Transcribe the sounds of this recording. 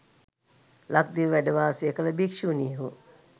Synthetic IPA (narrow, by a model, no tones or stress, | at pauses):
lak̚d̪iʋʋæɖəʋaːseəkələbikʂiuniːɦu